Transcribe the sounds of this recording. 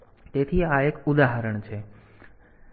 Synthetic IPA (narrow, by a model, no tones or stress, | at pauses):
t̪eːt̪ʰiaekʊd̪aːɦəɾəɽ̃t͡ʃʰeː